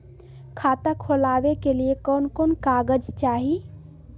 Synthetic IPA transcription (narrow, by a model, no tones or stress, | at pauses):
kʰaːt̪akʰolaːʋekeliekɔːnkoːnkaːɡəd͡ʒt͡ʃaːɦi